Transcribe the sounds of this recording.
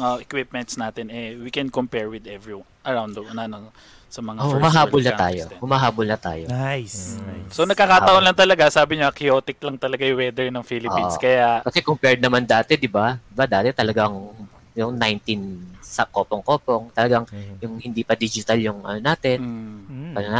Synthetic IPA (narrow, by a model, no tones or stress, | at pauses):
ŋoɛkwɪp̚mɛnt̪snaːt̪ɛnɛwikɛnkompɛɹwɪd̪ɛvɹiw | ʔɐɹawnd̪ɐɐnanɐ | sɐmɐŋaohʊmɐɦaːbolnɐa̰ːjohʊmaɦaːbolnɐt̪a̰ːjonajssonɐɡ̚kːakaːɐʔonlɐŋt̪ɐlɐɡasaːbɪɲoʔɐkɪoːt̪ɪk̚lɐŋt̪ɐlɐɡajwɛd̪ɛɹnɐŋfilɪoinskɐjakɐsɛkompɛɹd̪̚nɐmand̪aːt̪ɛd̪ɪbad̪ɪbad̪aːt̪ɛt̪ɐlɐɡaŋ | jʊŋnajnt̪insɐko̞ːpoŋko̞ːpo̞ŋt̪ɐlɐɡaŋjʊŋhɪnd̪iːpɐd̪iːd͡ʒɪt̪ɐljʊŋʔɐ̰nonaːt̪ɛnɐnona